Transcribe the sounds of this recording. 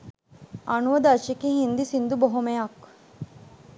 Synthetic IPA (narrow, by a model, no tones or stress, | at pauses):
anuʋɐd̪at͡ʃikiɦind̪isind̪ubɔɦumejak